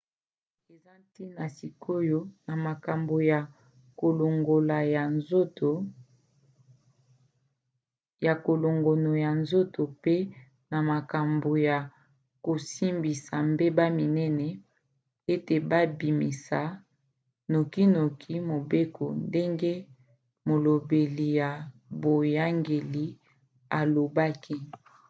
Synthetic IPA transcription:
e˨za˦ti˦na˨si˨kʰo˦jo˦na˨ma˨ka˨mbo˨ja˨ | ko˨lo˨ŋɡo˨la˨ja˨nzo˦to˨ | ja˨ko˨lo˨ŋɡo˨no˨ja˨nzo˦to˨pe˦ | na˨ma˨ka˨mbo˨ja˨ | ko˨si˦mbi˨sa˨mbe˦ba˦mi˨nɛ˦nɛ˨ | e˦te˨ba˦bi˨mḭ˨sa˨˦ | no˨ki˦no˨kʰi˦mo˨be˦kʰo̰˨nde˦ŋɡe˦ | mo˨lo˨be˨li˨ja˨bo˨ja˦ŋɡe˨li˨ | a˨lo˨ba˦ki˦

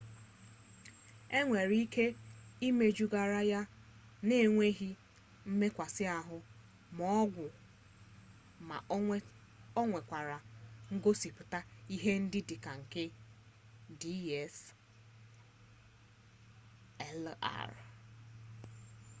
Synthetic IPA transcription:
e˦ŋʷe˨ɾi˦kʰe˦i˦me˦d͡ʒu˦ɡa˨ɾa˦ja˦ | ne˦˨ŋʷe˦ɦi˦ | m̩˦me˦kʷa˨sɪ˦a˨ɦʊ˦ | mɔ˦ɡʷʊ˨ | ma̰˨ | ɔ˦ŋʷe˨kʷa˨ɾa˨ŋ̩˦ɡo˦si˨pʊ˨ta˦i˦ɦe˦n̩˦dɪ˦dɪ˨ka˨ŋ̩˨ke˦ | di˦ɛ˦s | ɛ˦la̰˦ɾ

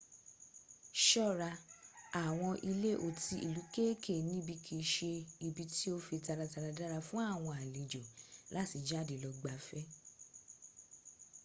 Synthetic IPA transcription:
ʃɔ˦˨ɾa˧a˨w̃ɔ̃˧ʔi˧le˦ʔo˨ti˧ʔḭ˨lu˨˦ke˦ke˦˨nĩ˦bi˧kʰe˧ʃe˧i˧bi˧ti˦o˦fi˧ta˧ɾa˧ta˧ɾa˧da˦ɾa˧fũ˦a˦˨w̃ɔ̃˧a˨li˨d͡ʒo˨la˨˦˨ti˧˦d͡ʒa˦˨de˨lɔ˧ɡ͡ba˨fɛ˦

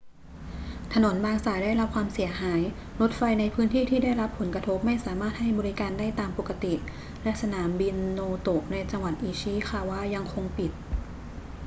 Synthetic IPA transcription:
t̪ʰa˧no˩˦nbaː˧ŋsaː˨˩˦jdaː˥˩jɾa˦˥p̚kʰwaː˧msi˨˩˦ɐɦaː˩˦j | ɾo˦˥t̪̚fa˧jna˧jpʰɯː˦˥nt̪ʰiː˥˩t̪ʰiː˥˩da˥˩jɾa˦˥pʰːo˨˩˦nkɾa˧t̪ʰo˦˥p̚ma˥˩jsaː˩˦maː˥˩t̪̚ha˥˩jbɔː˧ɾi˦˥kaː˧ndaː˥˩jt̪aː˧mpo˨˩kːa˧t̪i˨˩ | lɛ˦˥ʔsa˧naː˩˦mbi˧nːoː˧t̪o˨˩ʔ̚na˧jt͡ɕa˧ŋwa˨˩t̪̚ʔiː˧ɕiː˥˨xʰaː˧˩waː˥˩ja˧ŋkʰo˧ŋpi˨˩t̪̚

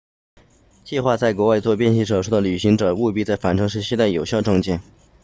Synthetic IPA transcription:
t͡ɕi˥˧xwa˥˧t͡sa˥˩ɪk̬wɔ˧˥wa˥˧ɪt͡swɔ˥˧pjɛ˥˧nɕi˥˩ʈ͡ʂɤ˨˩ʂu˥˩d̪ə˨ly˨˩ɕi˧˥ŋʈ͡ʂɤ˨˩u˥˧pi˥t͡sa˥˩ɪfa˨˩nʈ͡ʂʰɤ˥ŋʂ̬ɻ̩˥˧ɕjɛ˥˧t̪a˥˩ɪjo˨˩ɕjɑ˥˧ʊʈ͡ʂʊ˥˧ŋt͡ɕjɛ˥˩n

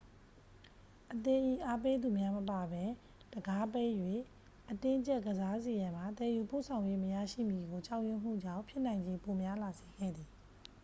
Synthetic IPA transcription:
ʔət̪ɪ̃˨ʔi˦˨ʔa˦pe˦d̪u˨mja˦məpa˨bɛ˦ | d̥əɡa˦pe˦ʔjwe˦˨ | ʔətɪ̃˦t͡ɕɛ˦ʔɡəza˦ze˨jã˨m̥a˨t̪ɛ˨ju˨po̰˦˨sʰã˨ʊ̃jwe˦məja̰˦˨ʃḭ˦˨mji˨ɡo˨t͡ɕa˦ʊʔjʊ̃˦˨m̥ṵ˦˨d͡ʑã̰˦˨mpʰjɪ˦ʔn̥ã˨ɪ̃ɲd͡ʑe˦po˨mja˦la˨ze˨ɡɛ̰˦˨d̪ði˨

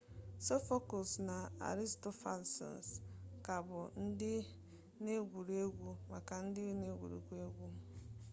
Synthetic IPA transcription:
so˦fo˦kʊ˨sna˨a̰˨ɾi˦stɔ˦fa̰˦lsɔ̰˨n˨ska˨bʊ˨n̩˦dɪ˦ | ne˦ɡʷu˨ɾe˦ɡʷu˦ma˨ka˨n̩˦dɪ˦ne˦ɡʷṵ˨ɾḛ˨ɡʷu˦e˦ɡʷu˦

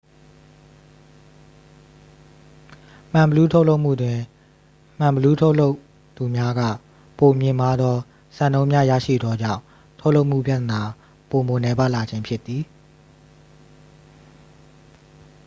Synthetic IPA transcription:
m̥ã˨mbəlu˦tʰo˦ʊlo˦ʊʔm̥ṵ˦˨dwɪ̃˨ | m̥ã˨mbəlu˦tʰo˦ʊlo˦ʊʔ | t̪u˨mja˦ɡä̰˦˨ | po˨mjɪ̃˨ma˦d̪ðɔ˦ | sã˨ndõ˦ʊ̃mja̰˦˨jä̰˦˨ʃḭ˦˨d̪ɔ˦d͡ʑã̰˦˨ʊ̃ | tʰo˦lo˦ʊʔm̥ṵ˦˨pja˦˨t̪əna˨ | po˨mo˨nɛ˦ba˦ʔla˨d͡ʑɪ̃˦mpʰjɪ˦t̪ːi˨

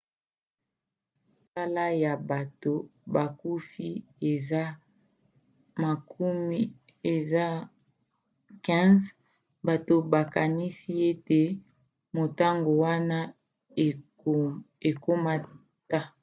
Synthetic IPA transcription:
sa˦la˦ja˨ba˨to˨ba˨ku˦fi˦e˨za˦ | ma˨ku˦mi˦ | e˨za˦ | kɛ̃˦z | ba˨to˨ba˨ka˨ni˦si˦e˦te˨ | mo˨ta˦ŋɡo˨wa˦na˦ | e˨ko˦ma˦ | ta˦

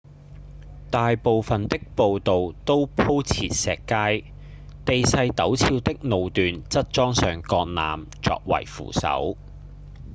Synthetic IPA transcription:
t̪aː˨jpo˨wfɐ˨nt̪ɪ˥k̚po˨wt̪o˨wt̪o˥wpʰo˥wt͡sʰiː˨t̚sɛ̰ː˨kːaː˥j | t̪e˨jsɐ˧jt̪ɐ˨˥wt͡sʰiː˧wt̪ɪ˥k̚no˨wt̪yː˨nt͡sɐ˥t̚t͡ʃɔː˥ŋsœː˨˩ŋkɔː˧k̚na̰ː˨m | t͡sɔ̰ː˧k̚wɐ̰˨˩jfṵː˨˩sɐ̰˨˥w

